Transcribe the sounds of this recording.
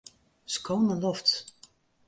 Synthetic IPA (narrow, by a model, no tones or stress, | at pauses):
skownəlɔft